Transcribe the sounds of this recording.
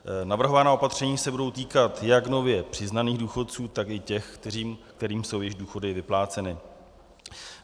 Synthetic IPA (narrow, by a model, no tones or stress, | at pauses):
navr̩ɦo̞vanaːo̞pat̪r̝̥ɛɲiːsɛbudo̞wt̪iːkat̪jakno̞vjɛpr̝̥ɪznaniːɣduːxo̞t̪̚t͡suːt̪akɪcɛxkt̪ɛɾiːmkt̪ɛɾiːmso̞wjɪʒduːxo̞dɪvɪplaːt͡sɛnɪ